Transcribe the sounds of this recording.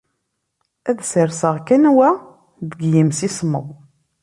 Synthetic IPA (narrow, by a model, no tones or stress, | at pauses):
æðsəɾsəʁkænwæ | ðəɡjimsisməðˤ